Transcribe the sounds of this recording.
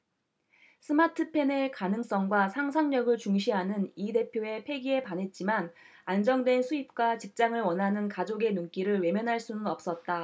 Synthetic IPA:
sʰɯmatʰɯpʰe̞ne̞kanɯŋs͈ʌŋɡwasʰaŋsʰaŋɲʌɡɯɭt͡ɕuŋɕʰiɦanɯnide̞pʰjoe̞pʰe̞ɡie̞panɦe̞t̚t͡ɕ͈iman | and͡ʑʌŋdwe̞nsʰuip̚k͈wat͡ɕip̚t͡ɕ͈aŋɯɭwʌnɦanɯnkad͡ʑoɡe̞nunk͈iɾɯɭwe̞mjʌnɦaɭs͈unɯnʌp̚s͈ʌt̚t͈a

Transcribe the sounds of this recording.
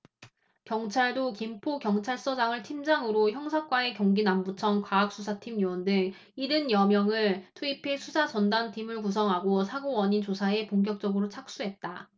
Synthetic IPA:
kjʌŋt͡ɕʰaɭdokimpʰokjʌŋt͡ɕʰaɭs͈ʌd͡ʑaŋɯɭtʰimd͡ʑaŋɯɾoçjʌŋsʰak͈wae̞kjʌŋɡinambut͡ɕʰʌŋkwaːk̚s͈ʰusʰatʰimjuwʌndɯŋ | iɾɯnjʌmjʌŋɯɭtʰuipʰe̞sʰusʰat͡ɕʌndantʰimɯɭkus̬ʰʌŋɦaɡosʰaɡowʌɲint͡ɕosʰae̞poŋk̬jʌk̚t͡ɕ͈ʌɡɯɾot͡ɕʰak̚s͈uɦe̞t̚t͈a

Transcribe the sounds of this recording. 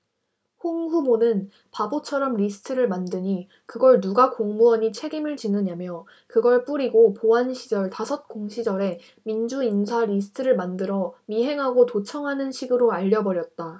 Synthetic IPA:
hoŋɸubonɯn | pabot͡ɕʰʌɾʌmɾisʰɯ̥tʰɯɾɯɭmandɯɲi | kɯɡʌɭnuɡakoŋmuʌɲit͡ɕʰe̞ɡimɯɭt͡ɕinɯɲamjʌ | kɯɡʌɭp͈uɾiɡopoanɕʰid͡ʑʌɭtasʰʌt̚k͈oŋɕʰid͡ʑʌɾe̞ | mind͡ʑuinsʰaɾisʰɯ̥tʰɯɾɯɭmandɯɾʌmiɦe̞ŋɦaɡotot͡ɕʰʌŋɦanɯnɕʰiɡɯɾoaʎːʌbʌɾjʌt̚t͈a

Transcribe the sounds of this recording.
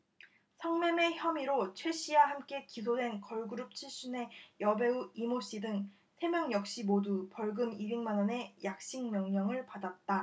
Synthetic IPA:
sʰʌŋmeme̞çjʌmiɾot͡ɕʰwe̞ɕ͈ʰiwahamk͈e̞kis̬ʰodwe̞nkʌɭɡuɾup̚t͡ɕʰiɭɕ͈une̞jʌbe̞uimoɕ͈idɯŋ | sʰe̞mjʌŋjʌk̚ɕ͈imodupʌɭɡɯmibiŋmanʌne̞jak̚ɕ͈iŋmjʌŋɲʌŋɯɭpadat̚t͈a

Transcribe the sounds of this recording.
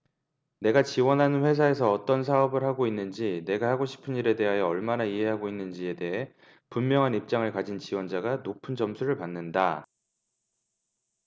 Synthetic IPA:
ne̞ɡat͡ɕiwʌnɦanɯnɸwe̞s̬ʰae̞s̬ʰʌːt͈ʌns̬ʰaʌbɯɾɦaɡoinːɯnd͡ʑine̞ɡahaɡoɕʰi̥pʰɯniɾe̞de̞ɦajeʌɭmanaiɦe̞ɦaɡoinːɯnd͡ʑie̞de̞ɦe̞ | punmjʌŋɦanip̚t͡ɕ͈aŋɯɭkad͡ʑint͡ɕiwʌnd͡ʑaɡanopʰɯnd͡ʑʌmsʰuɾɯɭpanːɯnda

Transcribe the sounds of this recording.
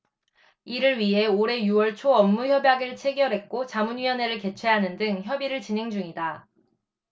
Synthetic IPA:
iɾɯɭɥiɦe̞oɾe̞juwʌɭt͡ɕʰoʌmːuçjʌbjaɡɯɭt͡ɕʰe̞ɡjʌɾɦe̞k̚k͈ot͡ɕamunɥiʌne̞ɾɯɭke̞t͡ɕʰwe̞ɦanɯndɯŋçjʌbiɾɯɭt͡ɕinɦe̞ŋd͡ʑuŋida

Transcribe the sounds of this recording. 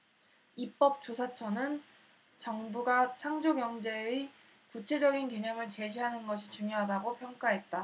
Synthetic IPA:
ip͈ʌp̚t͡ɕ͈osʰat͡ɕʰʌnɯn | t͡ɕʌŋbuɡat͡ɕʰaŋd͡ʑoɡjʌŋd͡ʑe̞e | kut͡ɕʰe̞d͡ʑʌɡinke̞ɲʌmɯɭt͡ɕe̞ɕʰiɦanɯnɡʌɕʰit͡ɕuŋjoɦadaɡopʰjʌŋk͈aɦe̞t̚t͈a

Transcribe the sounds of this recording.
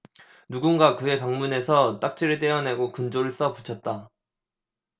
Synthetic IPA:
nuɡunɡakɯe̞paŋmune̞sʰʌt͈ak̚t͡ɕ͈ʰiɾɯɭt͈e̞ʌne̞ɡokɯnd͡ʑoɾɯɭs͈ʌpu̥t͡ɕʰʌt̚t͈a

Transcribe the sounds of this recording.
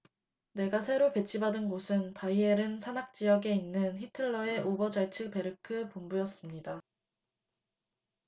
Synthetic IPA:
ne̞ɡasʰe̞ɾope̞t͡ɕʰibadɯnɡosʰɯnpaieɾɯnsʰanak̚t͡ɕ͈ijʌɡe̞inːɯnçitʰɯɭːʌe̞ʔobʌd͡ʑaɭt͡ɕʰɯpe̞ɾɯkʰɯpombujʌs͈ɯmɲida

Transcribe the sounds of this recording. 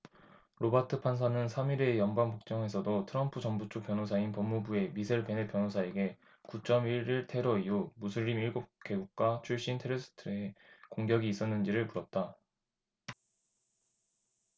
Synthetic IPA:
ɾobatʰɯpʰansʰanɯnsʰamiɾe̞jʌnbaŋpok̚t͡ɕ͈ʌŋe̞sʰʌdotʰɯɾʌmpʰud͡ʑʌŋbut͡ɕʰok̚p͈jʌnos̬ʰainpʌmːubue̞misʰeɭpe̞nep͈jʌnosʰae̞ɡe̞ | kut͡ɕ͈ʌmiɾiɭtʰe̞ɾʌiumusʰuɾːimiɭɡop̚k͈e̞ɡuk̚k͈wat͡ɕʰuɭɕ͈intʰeɾesʰɯ̥tʰɯekoŋɡjʌɡiːs͈ʌnːɯnd͡ʑiɾɯɭpuɾʌp̚t͈a

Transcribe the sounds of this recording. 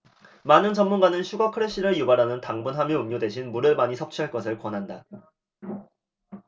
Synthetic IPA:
manɯnt͡ɕʌmːunɡanɯnɕʰuɡakʰɯɾeɕ͈ʰiɾɯɭjubaɾɦanɯntaŋbunɦamjiɯmɲodwe̞ɕʰinmuɾɯɭmaɲisʰʌp̚t͡ɕʰiɦaɭk͈ʌsʰɯɭkwʌnɦanda

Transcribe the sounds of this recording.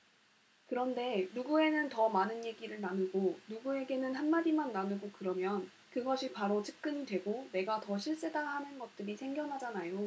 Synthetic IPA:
kɯɾʌnde̞nuɡue̞nɯntʌmanɯnje̞ɡiɾɯɭnanɯɡonuɡue̞ɡe̞nɯnɦanmadimanːanɯɡokɯɾʌmjʌn | kɯɡʌɕʰipaɾot͡ɕʰɯk̚k͈ɯɲidwe̞ɡone̞ɡatʌɕʰiɭs͈e̞daɦanɯnɡʌt̚t͈ɯɾisʰe̞ŋɡjʌnɦad͡ʑanajo

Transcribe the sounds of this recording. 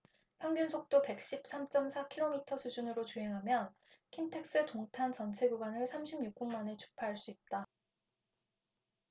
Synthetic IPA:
ɸjʌŋɡʌnsʰok̚t͈ope̞k̚ɕ͈ip̚s͈amt͡ɕ͈ʌmsʰakʰiɾomitʰʌsʰud͡ʑunɯɾot͡ɕuɦe̞ŋɦamjʌn | kʰintʰe̞k̚s͈ɯtoŋtʰant͡ɕʌnt͡ɕʰe̞ɡuɡwanɯɭsʰamɕʰimɲuk̚k͈uŋmane̞t͡ɕʰu̥pʰaɦaɭs͈uip̚t͈a

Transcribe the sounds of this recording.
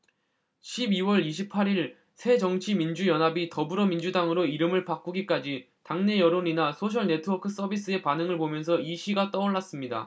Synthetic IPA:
ɕʰibiwʌɾiɕʰipʰaɾiɭ | sʰe̞d͡ʑʌŋt͡ɕʰimind͡ʑujʌnɦabitʌbuɾʌmind͡ʑudaŋɯɾoiɾɯmɯɭpak͈uɡik͈ad͡ʑi | taŋne̞jʌɾoɲinasʰoɕ̬ʰʌɭne̞tʰɯwʌkʰɯs͈ʌbis͈ɯe̞panɯŋɯɭpomjʌns̬ʰʌiɕʰiɡat͈ʌuɭːas͈ɯmɲida̰

